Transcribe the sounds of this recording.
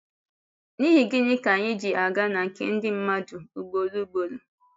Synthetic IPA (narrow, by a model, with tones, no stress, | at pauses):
ni˦ɦi˨ɡɪ˦ɲɪ˦ka˨ɲɪ˦d͡ʒi˨a˨ɡa˦na˨ŋ̩˨kḛ˦n̩˦dɪ˦m̩˦ma˦du˨u˨ɡ͡bo˨ɾu˦ɡ͡bo˨ɾu˦